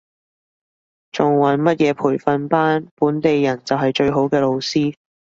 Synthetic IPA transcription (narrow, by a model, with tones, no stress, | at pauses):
t͡sʊ˨˩ŋwɐ˨˥nmɐ˥t̚jɛː˧pʰuː˨˩jfɐ˧npaː˥npuː˨˥nt̪e˨jːɐ˨˩nt͡sɐ˨wɦɐ˨jt͡ʃɵ˧ɥɦo˨˥wkɛː˧lo˧wsiː˥